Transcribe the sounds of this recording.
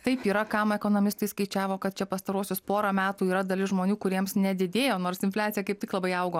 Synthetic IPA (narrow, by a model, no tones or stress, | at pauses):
t̪ɐɪpiːɾɐkɑmɛkoːnoːmʲɪst̪ɐɪskɐɪt͡ʃʲæːʋoːkɐt̪̚t͡ʃʲɛpɐst̪ɐɾuɔsʲʊspoːɾɐmʲæːt̪uːiːɾɐd̪ɐlʲɪsʒmoːnʲuːkʊɾʲiɛmsnʲɛd̪ʲɪd̪ʲeːjoːnoːrsɪnʲflʲæːt͡ssʲɪjɛkɐɪp̚t̪ʲɪklˠɐbɐɪɐʊɡoː